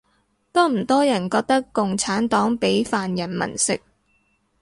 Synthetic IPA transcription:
t̪ɔː˥m̩˨˩t̪ɔː˥jɐ˨˩nkɔː˧k̚t̪ɐ˥kːʊ˨ŋt͡sʰaː˨˥nt̪ɔː˨˥ŋpe˨˥jfaː˨njɐ˨˩nmɐ̰˨˩nsɪ̰˨k̚

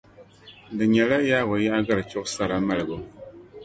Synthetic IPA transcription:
dɨ˨ɲɛ˨la˦jaː˦wo˨˦ja˦ʔa˦ɡa˦ɾɨ˨t͡ʃʊ˦ʔsa˦ɾa˨ma˦lɨ˨ɡo˦

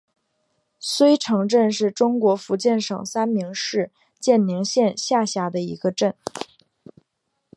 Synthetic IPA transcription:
swe˥ɪʈ͡ʂʰɤ˧˥ŋʈ͡ʂə˥˧nʂɻ̩˥˩ʈ͡ʂʊ˥ŋkwɔ˧˥fu˧˥t͡ɕjɛ˥˩nʂɤ̰˨˩ŋsa˥nmi˧˥ŋʂɻ̩˥˧ | t͡ɕjɛ˥˩nni˧˥ŋɕjɛ˥˧nɕja˥˧ɕja˥˩d̪ə˧i˧˥ɡə˧ʈ͡ʂə˥˩n

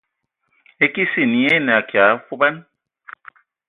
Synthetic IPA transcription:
e˦ki˦si˦˨ni˨˦e˦n˨a˨kja˨˦fu˦ba˦n

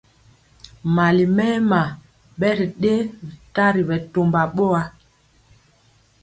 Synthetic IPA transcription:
ma˨li˨mɛː˦ma˨ | ɓɛ˦ɾi˨ɗe˦ɾi˨ta˦ɾi˨ɓɛ˨to˨mba˨ɓɔ˦a˦

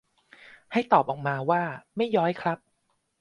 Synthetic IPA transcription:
ha˥˩jt̪ɔː˨˩p̚ʔɔː˨˩k̚maː˧waː˥˩ma˥˩jːɔː˦˥jkʰɾa˦˥p̚

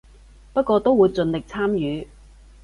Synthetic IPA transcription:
pɐ˥t̚kʷɔː˧t̪o˥wuː˨˧jt͡sɵ˧nlɪ˨k̚t͡sʰaː˥mjyː˨˧

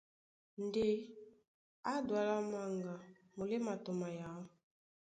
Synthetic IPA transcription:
n˨de˦ | a˦dwa˨la˦ma˦ŋɡa˨ | mu˨le˦ma˨to˨ma˨ja˨˦

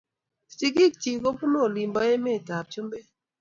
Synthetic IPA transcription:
t͡ʃi˦ɡi˦k̚t͡ʃi˨ɡo˦pu˦no˦˨li˨mbɔ˦je˦me˦˨ta˨p̚t͡ʃu˦mbe˦

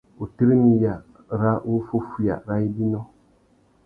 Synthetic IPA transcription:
u˨ti˦ɾi˦ni˨ja˨ | ɾa˦u˦fo˦fu˨ja̰˨ɾa˦i˦di˦nɔ˦

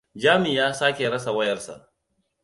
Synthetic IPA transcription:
d͡ʒaː˦mɪ˨jaː˦saː˦kʲe˨ɽɐ˦sa˨wɐ˦jɐ˨rsa̰˨ʔ

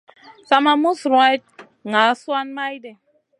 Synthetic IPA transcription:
sa˨ma˨mu˦sɾwa˦jt̚ | ŋa˨˦swa˦nma˦jde˨

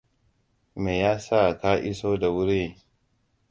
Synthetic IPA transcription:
meː˨jaː˦sa˦˨kaː˦ʔɪ˦soː˦da˨wʊ˦ɾe˦˨

